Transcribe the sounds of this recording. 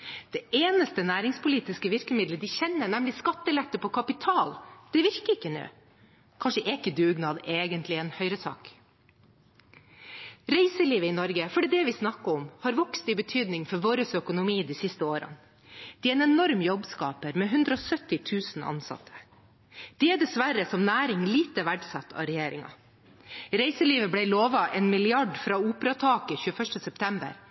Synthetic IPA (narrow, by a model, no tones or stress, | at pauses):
d̪̥ɛʔeːnəst̪ənæːɾɪŋspʰʊliːt̪ɪskəʋɪɾkəmɪd̪ləd̪ɪçɛnːəɳɛmlɪskɑt̪ːəɛlɛt̪ːəpʰɔkʰɑpɪt̪ʰɑːld̪̥ɛʋɪɾkəɾɪkːənø̰ː | kʰɑnʂəʔɛkːəd̪ʉːɡnɑːd̪eːɡənt̪lɪɛnhœʏɾəsʰɑ̰ːk | ɾæɪsəliːʋəɪnɔɾɡəfɔɖiːd̪ɛʋɪsnɑkːəɔmhɑːɾʋɔkst̪ɪbət̪ʰyːd̪nɪŋfɔɾʋoːɾəsœkʊnʊmiːd̪iːsɪst̪əoːɾə̰n | d̪̥ɛːæɾɛnɛnɔɾmjɔbskɑːpəɾmɛːɦʉnd̪ɾəɔːsœt̪ɪt̪ʰʉːsn̩ɑ̰nsɑ̰t̪ʰə̥ | d̪̥ɛæɖɛsʋæɾəsɔmnæːɾɪŋliːt̪əʋæɖsɑt̪ʰːɑ̰ɾɛjeːɾɪ̰ŋɑ̰ | ɾæɪsəliːʋəblæɪloːʋɑʔɛːnmɪlɪɑɖfɾɑːuːpɾɑt̪ʰɑːkəçʉːəfœʂʈəsɛpt̪ʰɛmbə̰ɾ